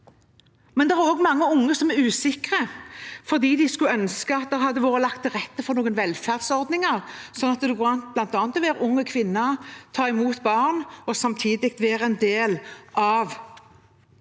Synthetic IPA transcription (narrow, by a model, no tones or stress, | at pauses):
mɛnd̪ɛʁæʁoːɡmɑŋːəʊŋːəsɔmæʁʉːsɪkʁəfɔʁd̪iːd̪ɪskʉœnskəɑt̪̚d̪ɛʁhɑd̪ːəʋoːʁəlɑk̚t̪ʰːɪʁɛt̪ːəfɔʁnoːɡənʋɛlfæʁd̪̥sɔʁd̪nɪŋəʁsɔnɑt̪d̪ɛɑnt̪blɑnt̪ɑːnt̪ɔʋeːʁʊŋːəkʰʋɪnːət̪ʰɑːɪmuːt̪bɑːʁnɔsɑmt̪ʰiːd̪ɪk̚t̪ʋeːʁɛnd̪eːlʔɑʋ